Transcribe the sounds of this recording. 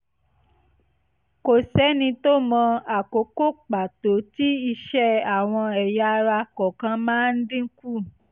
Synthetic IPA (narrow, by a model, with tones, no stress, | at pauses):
ko˨sɛ˨˦nĩ˧t̪o˦mɔ̃˧a˨ko˨˦ko˦k͡pa˨t̪o˨ti˦i˧ʃɛ˦a˨w̃ɔ̃˧ɛ˨ja˧ɾa˧kɔ˨kã˦mã˦n̩˦dĩ˦ŋ̩˦ku˦˨